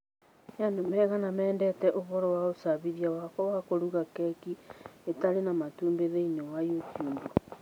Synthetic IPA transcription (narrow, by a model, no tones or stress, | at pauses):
jandomɛɣanamɛːndɛtɛʔoβɔɾɔwaosaβiðiawakɔwakoɾuɣakɛkietaɾenamatuːmbeðeinewajutiub